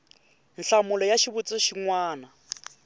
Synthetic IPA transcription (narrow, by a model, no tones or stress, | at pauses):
nɬamulɔjaʃiβut͡sʼɔʃiŋwaːna